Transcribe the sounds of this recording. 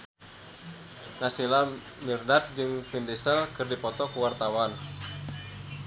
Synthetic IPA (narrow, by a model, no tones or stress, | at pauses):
nasila | mirnat̪̚d͡ʒɨŋfindisəlkɨrdipɔt̪ɔkuwart̪awan